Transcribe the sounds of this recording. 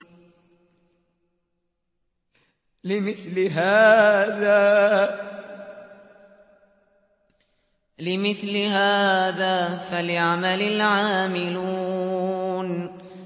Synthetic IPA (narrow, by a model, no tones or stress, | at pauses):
lɪmɪθlɪɦaːðaː | lɪmɪθlɪhaːðaːfalɪʕamalɪlʕaːmɪlu | n